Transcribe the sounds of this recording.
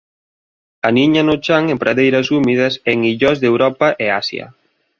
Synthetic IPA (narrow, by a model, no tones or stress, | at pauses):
ɐniɲɐnot͡ʃaŋempɾaðejɾɐsumið̞ɐseŋiʎɔzðewɾɔpɐʔeasjɐ̰